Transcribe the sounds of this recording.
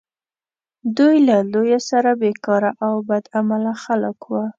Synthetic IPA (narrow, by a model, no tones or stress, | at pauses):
d̪ujlalojasaɾabekɑɾaʔawbad̪amalaxaləkwa